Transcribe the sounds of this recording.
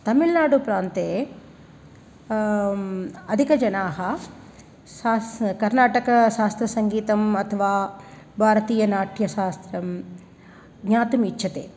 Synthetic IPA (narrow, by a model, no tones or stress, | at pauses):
t̪ɐmilnaːɽupɾaːnt̪eː | ɐd̪ʱikɐd͡ʒɐnaːɦɐ | ʃaːkɐɾnaːʈɐkɐʃaːst̪ɾɐsɐŋɡiːt̪ɐmɐt̪ʰɐʋaː | bʱaːɾɐt̪iːjɐnaːʈʰjɐʃaːst̪ɾɐm | ɡɲaːt̪umitːʃʰɐt̪ḛː